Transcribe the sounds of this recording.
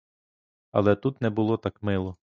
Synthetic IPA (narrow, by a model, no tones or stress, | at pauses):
ɐ̰lˠɛt̪ut̪nɛbʊlˠɔt̪ɑkmɪlˠɔ